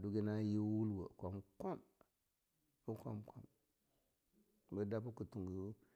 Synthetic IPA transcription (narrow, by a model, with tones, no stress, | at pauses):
du˦ɡe˦na˦ji˦wu˦lwə˨ko˨m˦ko˦m | u˦ko̰˦mko̰˦m | bə˨˦da˦pu˦ku˨tu˨ɡu˨u˦